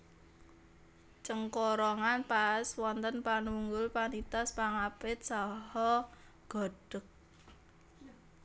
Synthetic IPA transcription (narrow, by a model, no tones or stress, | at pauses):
t͡ʃəŋkɔɾɔŋanpaswɔnt̪ənpanuŋɡʊlpanit̪aspaŋapɪt̪̚sahɔ | ɡ̥ɔ̤ɖ̥ək̚